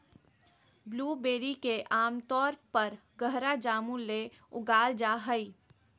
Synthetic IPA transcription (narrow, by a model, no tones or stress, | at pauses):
bluːbeːɾikeʔaːmt̪ɔːɾpəɾɡəɦɾad͡ʒaːmule | ʊɡaːld͡ʒaːɦəi